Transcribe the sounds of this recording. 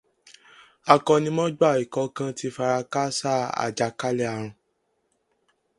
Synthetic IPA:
a˨kɔ˧nĩ˧˦mɔ̃˦d͡ʒa˦˨i˨kɔ˧˦kã˧˦ti˧˦fa˧ɾa˧ka˦sa˦˨a̰˨d͡ʒa˨ka˦lɛ˦a˨ɾ̃ũ˧

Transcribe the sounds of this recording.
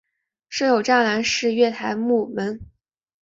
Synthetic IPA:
ʂ̩˥jo˨˩ʊʈ͡ʂa˥˩la˧˥nʂɻ̩˥˧ɥɛ˥˩t̪ʰa˧˥ɪmu˥˩mə˧˥n

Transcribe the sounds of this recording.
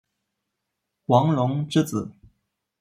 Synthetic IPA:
wɑ˧˥ŋlʊ˧˥ŋʈ͡ʂɻ̩˥˩t͡sɹ̩˨˩˦

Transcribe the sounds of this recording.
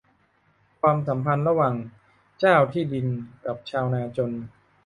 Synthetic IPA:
kʰwaː˧msa˩˦mpʰa˧nɾa˧waː˨˩ŋ | t͡ɕaː˥˩wt̪ʰiː˥˩di˧nka˨˩p̚t͡ɕʰaː˧wnaː˧t͡ɕo˧n

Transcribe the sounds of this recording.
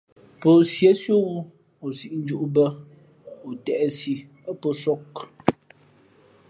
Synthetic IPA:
pə˨sje˨˦sjo˦wu˦ | o˨si˨ʔn̩˦d͡ʒu˦ʔu˦bə˦ | o˨tɛ˨ʔɛ˦si˨ | ə˦pə˦˨sɔ˦k

